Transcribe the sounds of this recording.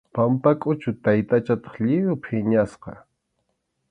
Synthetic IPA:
pampakʼʊt͡ʃʊt̪ajt̪at͡ʃat̪ɑ̥χʎɪjʊpʰɪɲasqɑ

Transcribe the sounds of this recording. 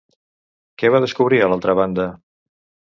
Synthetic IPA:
kɛβaðəskuβ̞ɾiəlalˠt̪ɾəβ̞and̪ə

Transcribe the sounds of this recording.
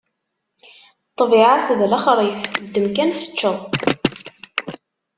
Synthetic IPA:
t̪ˤːviʕasðlæχɾˤifd̪ːəmkænsə̥t͡ʃːəðˤ

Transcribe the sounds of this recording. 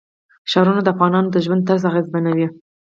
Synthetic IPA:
ʃɑɾunad̪əafɣɑnɑnod̪əʒwand̪t̪əɾzɑɣezbanawi

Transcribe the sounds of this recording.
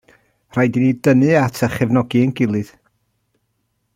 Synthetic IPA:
r̥ajdinidənɨatʰəχɛvnɔɡiənɡɪlˠɨð̥

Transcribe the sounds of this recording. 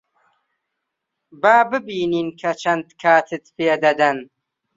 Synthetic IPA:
baːbɨbiːniːnkʰɐt͡ʃʰɐnd̪kʰaːt̪ʰɨt̪̚pʰeːd̪ɐd̪ɐn

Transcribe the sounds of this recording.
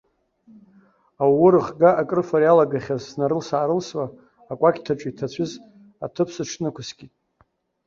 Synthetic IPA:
awʊɾɨχɡaʔakʼrɨfaɾijalaɡaχʲazːnaɾɨlsaːɾɨlswaː | kʷʼakʲtʰaʈ͡ʂʷʼitʰat͡ɕʷʰʏz | atʰɨpʰsɨʈ͡ʂʰnɨkʷʰʊsɡʲitʼ

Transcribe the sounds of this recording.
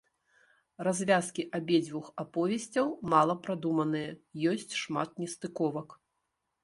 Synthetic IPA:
razʲvʲaskʲiʔabʲɛd͡zʲvʲuxapɔvʲɛsʲt͡sʲɐwmalˠɐpɾad̪umɐnɨjɐjɔsʲt͡sʲʂmat̪̚nʲɛst̪ɨkɔvɐk

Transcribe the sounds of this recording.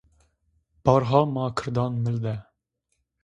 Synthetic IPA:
b̥ɑːɾɦɑːmɑːkʰɨɾd̪ɑnmɨld̪ɛ

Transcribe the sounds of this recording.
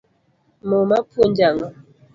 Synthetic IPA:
momapond͡ʒaŋa

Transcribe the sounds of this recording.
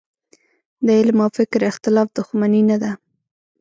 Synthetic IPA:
d̪əɪlmawfɪkɾɪxt̪ɪlɑfd̪ʊxmaninad̪a

